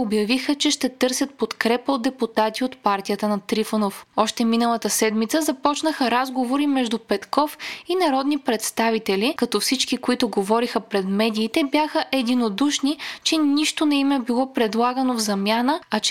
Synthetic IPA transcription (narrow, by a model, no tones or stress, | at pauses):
objɐvixət͡ʃɛʃt̪ɛt̪ɤɾsʲət̪̚pot̪kɾɛpəod̪ɛput̪at̪iot̪paɾt̪ijət̪ənɐt̪ɾifənofɔʃt̪ɛminəlˠət̪əsɛd̪mit̪səzɐpɔt͡ʃnəxəɾazɡovoɾimɛʒd̪upɛt̪kɔfinɐɾɔd̪nipɾɛt̪st̪avit̪ɛlikɐt̪ɔfsit͡ʃkikoit̪ʊɡovɔɾixəpɾɛd̪mɛd̪iːt̪ɛbjaxəʔɛd̪inod̪uʃnit͡ʃɛniʃt̪onɛimɛbilˠɔpɾɛd̪lˠaɡənovzɐmʲjanəɐt͡ʃ